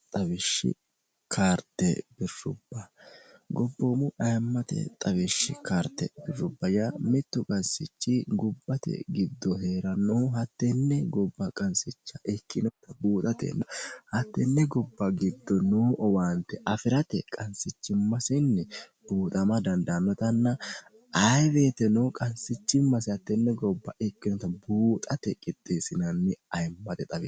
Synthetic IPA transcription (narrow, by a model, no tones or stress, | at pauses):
t̪ʼɐwɪʃːɪ̰ | kʰaːɾt̪ːɛb̥ɪɾʊbːɐ | ɡɔbːoːmʊʔɐjɐmːɐt̪ɛ̰t̪ʼɐβɪʃːɪ̰kaːɾt̪ːɛ̰bɪrːʊbːɐjamɪt̪ːʊkʼɐnsɪt͡ʃːɪɡɔbːɐt̪ɛ̰ɡɪd̪ːɔɦe̞ːɾɐnoːɦɐt̪ːɛnːɛɡɔbːɐkʼɐnsɪt͡ʃːɐʔɛkːɪnɔt̪ːɐbuːt̪ʼɐt̪ɛ̰nːɐhɐt̪ːɛnːɛɡɔbːɐɡɪd̪ːɔnoːʔɔwaːnt̪ɛʔɐfɪɾɐt̪ɛkʼɐnsɪt͡ʃːɪmːɐsɪnːɛb̥uːt̪ʼɐmɐd̪ɐnd̪ɐnːɔt̪ɐnːɐ | ʔɐjbe̞ːt̪ɛnoːkʼɐnsɪt͡ʃːɪmːɐshɐt̪ːɛnːɛɡɔbːɐʔɛkːɪnɔt̪ːɐbuːt̪ʼɐt̪ɛkʼɪt̪ʼːeːsɪnɐnːɪɐjmːɐt̪ɛt̪ʼɐbḛː